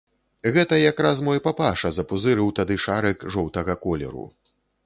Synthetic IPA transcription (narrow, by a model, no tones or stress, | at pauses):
ɣɛt̪ɐjakɾas̬mɔjpapaʂɐzɐpuzɨɾɨwt̪ad̪ɨʂaɾɨkʐɔwt̪ɐɣɐkɔlʲɛ̰ɾṵ